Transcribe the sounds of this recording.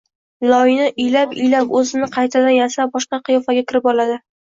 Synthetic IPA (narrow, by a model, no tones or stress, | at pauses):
lˠɒɪnaʔɪjlapɪjlapɵzɪnɪqʰɑjt̪ʰad̪anjasabɒʃqɑqʰɨjɒfaɡʲakʲʰɪɾɪpɒlad̪ɪ